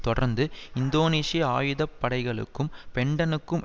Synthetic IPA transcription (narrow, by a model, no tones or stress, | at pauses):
t̪ɔɽɐɾnd̪ɯɪnd̪oːneːsijɐaːjɯðɐpːɐɽɐɪɣɐɭɯ̰kːɯmpɛɳɖɐnɯkːɯm